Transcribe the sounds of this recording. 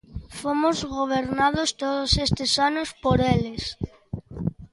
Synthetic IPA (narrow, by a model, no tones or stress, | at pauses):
fomozɣoβ̞eɾnað̞ost̪oðosest̪ɪsanospoɾeles